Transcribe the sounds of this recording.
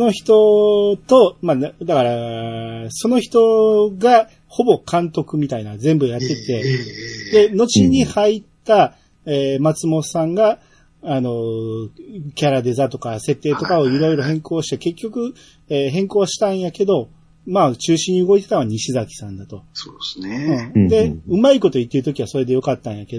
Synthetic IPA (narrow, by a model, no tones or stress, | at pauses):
sono̞çi̥t̪o̞t̪o̞mand̪akaɾa | so̞no̞çi̥t̪o̞ɡa | ho̞bo̞kʰãnt̪o̞kɯ̟mʲit̪ainad͡zẽ̞mbɯ̟jat̪ːe̞t̪e̞d̪e̞no̞t͡ɕiɲ̟ihait̪ːa | eːmat͡sɨmo̞sãŋɡaː | no̞ | kʲaɾad̪e̞zat̪o̞kase̞t̪ːe̞ːt̪o̞kao̞iɾo̞iɾo̞ɦẽ̞ŋko̞ːɕi̥t̪e̞ke̞kʲːo̞kɯ̟ | eːɦẽ̞ŋko̞ːɕi̥t̪ãɰ̃jake̞d̪o̞ | maːt͡ɕɨːɕĩɲ̟ːiɯ̟ɡo̞it̪e̞t̪aβaɲ̟iɕizakʲi̥sãnd̪at̪o̞sosneɯ̟̃d̪e̞ɯ̟maiko̞t̪o̞it̪ːeɾɯ̟t̪o̞kʲiβaso̞ɾe̞d̪e̞jo̞kat̪ːãɰ̃jake̞d̪o